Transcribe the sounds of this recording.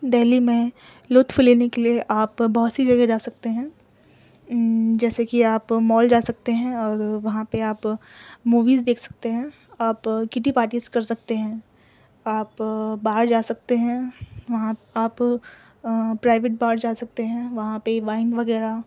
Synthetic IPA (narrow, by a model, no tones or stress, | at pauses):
d̪ɛːlimẽ | lʊt̪fɪleːnekelieʔaːpbɐɦʊt̪sid͡ʒɐɡed͡ʒaːsɐk̚t̪eɦɛ̃ː | d͡ʒɛːsekiaːpmɔːld͡ʒaːsɐk̚t̪eɦɛ̃ɔːɾʋɐɦãpeaːpmuːʋiːzd̪eːkʰsɐ̥k̚t̪eɦɛ̃ | aːpkɪʈ̬ipaːʈiːzkɐɾsɐk̚t̪eɦɛ̃ː | aːpbaːɾd͡ʒaːsɐk̚t̪eɦɛ̃ːʋɐɦãaːp | pɾaːɪʋeːʈ̚baːɾd͡ʒaːsɐk̚t̪eɦɛ̃ʋɐɦãpeʋaːɪnɖʋɐɣɛːɾa